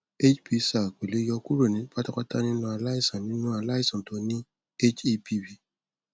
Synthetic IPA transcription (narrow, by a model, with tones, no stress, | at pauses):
e˦t͡ʃpi˦sa˨kʷe˨le˨˦jɔ˧ku˦ɾo˨nĩ˨˦pa˦ta˦ka˦ta˦nĩ˦nũ˧˦a˨la˦i˦˨sɔ̃˨nnĩ˦nũ˦a˨la˦ji˦˨sɔ̃˨to˨˧˦nĩ˦ | e˦t͡ʃe˦pʰi˦˨bi˦˨